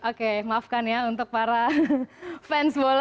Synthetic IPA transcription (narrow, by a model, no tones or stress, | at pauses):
ʔokemafkanjaunt̪ʊk̚paɾa | fɛnsbol